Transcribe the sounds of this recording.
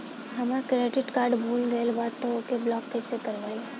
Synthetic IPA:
ɦɐmakɾeːɖɪʈkaːɾɖbʱuːlɡɐelbaːd̪̚t̪ookeblɔːk̚pesekɐɾʋaːi

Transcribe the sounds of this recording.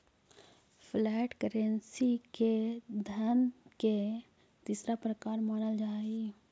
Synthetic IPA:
pʰlɛːʈkəɾə̃nsiked̪ʱənke | t̪iːsɾapɾəkaːɾmaːnəld͡ʒaːi

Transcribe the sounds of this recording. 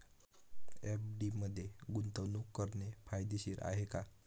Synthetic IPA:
ɛpɖiməd̪ʱːjeɡunt̪əʋnukːəɾɳefajd̪iɕiːɾʔa̰ɦeka

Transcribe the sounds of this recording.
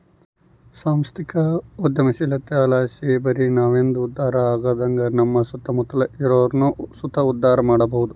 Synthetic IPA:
saːmst̪ikɐud̪jɐmɐʃilɐt̪ːeaːlaːʃibɐɾinaːʋend̪uːd̪ːaːɾɐaːɡɐːd̪ɐŋɡɐnɐmːɐsut̪ʰːɐmut̪ɐlɐiɾoːɾnusut̪ʰɐud̪ːaːɾɐmaːɽɐbɐɦud̪u

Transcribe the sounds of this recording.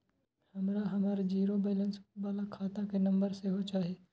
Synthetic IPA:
hɐmɾaɦɐmaːɾd͡ʒiːɾobɛːlə̃nsbaːlakʰaːt̪ãkenɐ̃mbəɾseɦot͡ʃaːɦeː

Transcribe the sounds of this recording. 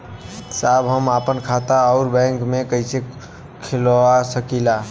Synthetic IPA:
sabɦəmapənkʰat̪aɔʊɾbɛ̃ŋkmekəise | kʰelasəkila

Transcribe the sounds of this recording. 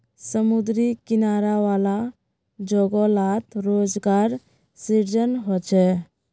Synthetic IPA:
səmud̪ɾikinaɾaʋala | d͡ʒɔɡɔlat̪ɾod͡ʒɡaɾ | siɾd͡ʒənɦɔt͡ʃʰɛ

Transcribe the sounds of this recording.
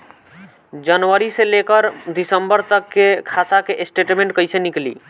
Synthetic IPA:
d͡ʒənʋəɾiselekəɾd̪isəmbəɾt̪əkːekʰat̪akeʔsʈeʈmẽɳʈ̚kəjseniklḭː

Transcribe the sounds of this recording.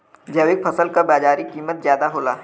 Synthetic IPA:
d͡ʒɐʋɪk̚pʰɐsəlkabaːd͡ʒaːɾikiːmət̪̚zjaːd̪aɦoːla̰ː

